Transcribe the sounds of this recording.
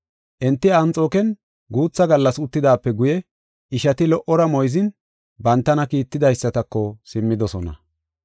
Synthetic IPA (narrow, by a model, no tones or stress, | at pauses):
ʔɛnt̪ːɪɐnt͡sʼoːkɛn | ɡuːt͡sːɐɡɐlːɐsʊt̪ːɪd̪aːpːɛɡʊjɛ | ɪʃɐt̪ɪlɔʔɔɾɐmɔjzɪn | bɐnt̪ːɐnɐkiːt̪ːɪd̪ɐjɪsːɐt̪ɐkːɔsɪmːɪd̪ɔsɔnɐ̰